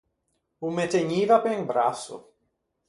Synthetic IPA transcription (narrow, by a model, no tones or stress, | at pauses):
umet̪eɲivapeŋbɾasṵ